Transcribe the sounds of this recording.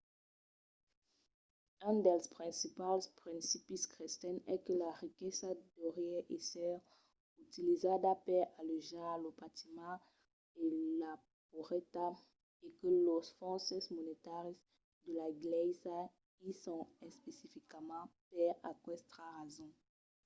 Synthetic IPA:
ỹnd̪ɛlspχɛ̃sipalspχɛ̃nsipiskʁist̪ɛnɛkəlaʁikɛsad̪ɔʁjɛʔesɛ | ut̪ilizad̪apɛlaləʒalobat̪imɑ̃ | ela | poʁɛt̪a | ekəlɔfɔ̃sɛsmonet̪aʁis | d̪əlaɡlɛsa | isɔ̃ɛspesifikamɑ̃pɛakwɛst̪aʁazɔ̃

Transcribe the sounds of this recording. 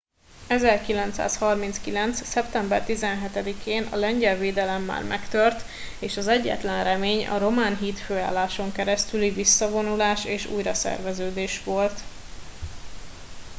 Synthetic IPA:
ɛzɛrkilɛnt̪sa̰ːshɒrminskilɛnt̪ssɛpt̪ɛmbɛrt̪izɛnɦɛt̪ɛd̪ikʰeːnʔɒ̰lɛɲɟɛlveːd̪ɛlɛmːa̰ːrmʔɛkt̪ørt̪ | eːʃɒzɛɟːɛ̰t̪lɛnrɛmeːɲɒ̰ɾo̞maːnɦiːt̪føːa̰ːlːaːʃo̞ŋkɛɾɛst̪ylivisːɒvo̞nulaːʃeːʃṵːjɾɒsɛ̰rvɛzøːd̪eːʃʋo̞lt̪

